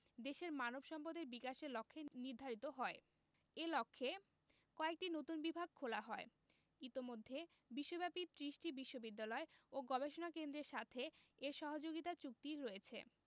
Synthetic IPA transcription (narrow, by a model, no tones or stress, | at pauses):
d̪eʃeɾmanobʃɔmpod̪eɾbikaʃeɾlɔkʰːeniɾd̪ʱaɾit̪oɦɔe | elɔkʰːe | kɔek̚ʈinot̪unbibʱaɡ̚kʰolaɦɔe | it̪omod̪ʱːe | biʃːobɛpit̪ɾiʃʈibiʃːobid̪ːalɔeoɡɔbeʃonakend̪ɾeɾʃat̪ʰeeɾʃɔɦod͡ʑoɡit̪at͡ɕuk̚t̪iɾoet͡ɕʰḛ